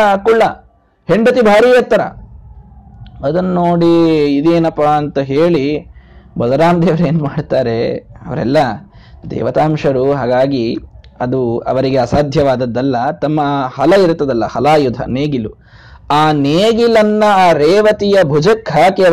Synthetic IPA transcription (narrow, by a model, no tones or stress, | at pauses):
ɐkuɭːɐ | heɳɖɐt̪ibʱaːɾiːjɐt̪ːɐɾɐ̰ | ɐd̪ɐnnoːɽiːd̪eːnɐpːaːɐnt̪ɐɦeːɭi | bɐd̪ɐɾaːmd̪eːʋɐɾeːnmaːɖt̪aːɾe̞ɐʋɐɾɛ̰lːɐ | d̪ɛ̰ːʋɐt̪aːmʂɐɾuɦaːɡaːɡiɐd̪uɐ̰ʋɐɾiɡeɐːsaːd̪ʱjɐʋaːd̪ɐd̪ːɐlːɐt̪ɐmːɐhɐlɐiɾt̪ːɐd̪ɐlːɐhɐlaːjud̪ʱɐ̰neːɡilu | aːneːɡilɐnːɐaːɾeːʋɐt̪ijɐbʱud͡ʒɐkʰːaːkeɐ